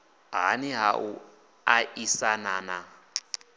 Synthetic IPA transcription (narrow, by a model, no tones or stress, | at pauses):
ɦaniɦaʔu | aʔisanana